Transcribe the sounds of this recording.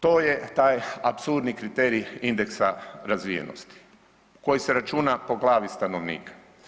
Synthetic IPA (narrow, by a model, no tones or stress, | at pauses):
t̪oːjet̪aːjapsuɾd̪nikɾit̪eɾiind̪e̞ksaɾazʋijḛno̰st̪i̥ | ko̞jiseɾat͡ʃuːnapo̞ɡlˠaːʋist̪ano̞ʋnḭːkḁ